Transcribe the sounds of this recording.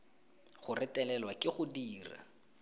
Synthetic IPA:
χʊrɪtʼɛlɛlwakɪχʊdiːra̰

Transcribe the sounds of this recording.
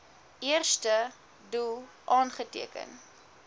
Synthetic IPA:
ʔiərstə | dulˠ | ʔɑːnχətḭəkə̰n

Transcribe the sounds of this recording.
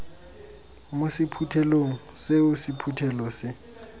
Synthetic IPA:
mosɪpʰutʰɛloŋ̩seʊsipʰutʰɛlɔsɪ

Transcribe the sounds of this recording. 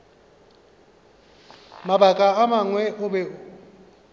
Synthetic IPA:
mabakʼaamaŋwɛʔʊbɛ

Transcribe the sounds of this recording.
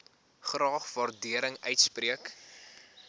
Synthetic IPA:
χrɑːχvɐrdiəɾəŋœɥtspriək

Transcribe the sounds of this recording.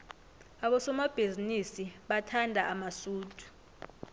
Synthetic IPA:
aɓɔsɔmab̥ʱizinisiɓatʰandʱaamasuːtʰʼu̥

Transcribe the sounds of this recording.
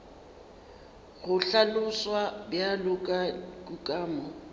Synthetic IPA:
ɣʊɬalʊswabjalʊkʼakʼukʼaːmɔ

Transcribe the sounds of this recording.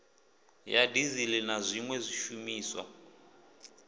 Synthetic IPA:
jadizilɛnazʷiŋwɛzʷiʃumiːswa̰

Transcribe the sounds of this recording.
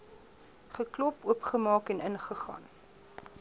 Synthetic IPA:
χəklɔpuəpχəmɑːkɛnənχəχɑ̰ːn

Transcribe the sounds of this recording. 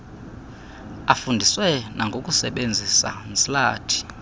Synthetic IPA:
afundʱiswɛnʔaŋɡʱok̬ʼusɛɓend͡zʱisa̰nt͡sʼilaːtʰi̥

